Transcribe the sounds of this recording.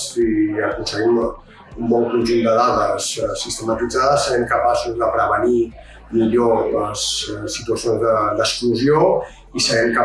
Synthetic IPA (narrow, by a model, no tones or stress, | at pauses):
iəkunsəɣim | umbɔŋkuɲʒund̪əðaðəssist̪əmat̪id͡zaðəsːəɾɛmkəpasuzðəpɾəβəni | miʎoləssit̪uasionzðəd̪əskluzio | isəɾɛmka